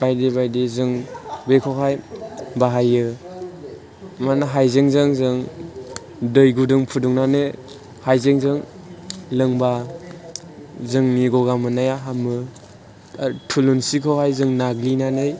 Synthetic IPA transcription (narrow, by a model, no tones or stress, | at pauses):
bajdebajdezɯŋbekʰɔɦajbaɦajɯ | manaɦajzeŋzɯŋzɯŋ | dɯjɡudɯŋpʰuduŋnanɯ | hajzeŋzɯŋ | lɯŋba | zɯŋniɡɔɡamɯnajaɦamɯ | tʰulunsikʰɔɦajzɯŋnaɡlinanɯj